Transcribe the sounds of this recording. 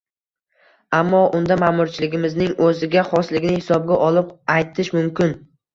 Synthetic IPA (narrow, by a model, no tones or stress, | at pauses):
amːɒʔʊnd̪amamʊɾt͡ʃʰɪlɪɡʲɪmɪznɪŋɵzɪɡʲaχɒslɪɡʲɪnɪhɪsɒb̚ɡʲaʔɒlˠɪp̚ajt̪ʰɪʃmʊmkʲɪn